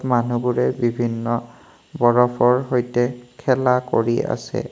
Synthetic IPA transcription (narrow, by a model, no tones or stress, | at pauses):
manubuɹɛbibʱinːɔ | bɔɹɔpɔɹɦojtɛkʰɛlakoɹia̰sɛ̰